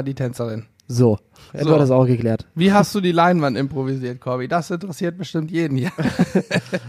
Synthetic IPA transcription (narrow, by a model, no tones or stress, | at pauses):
diːtʰɛnt͡sɐʁɪn | zoː | ɛadasaʊxɡ̥əkleːɐtviːɦast̚d̥uːdiːlaɪnvantɪmpʁ̥oviziːɐt̚kʰɔbidasʔɪntəʁɛsiːɐt̚b̥əʃtɪmtjeːdn̩jaː